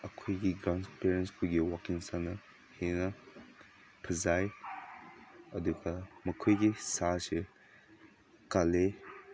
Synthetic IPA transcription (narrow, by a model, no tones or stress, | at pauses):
ɐkʰojɡiɡɾanspeɾenspuɡiwakiŋsanɐ | henɐ | pʰɐzaj | ɐduɡamɐkʰojɡisase | kale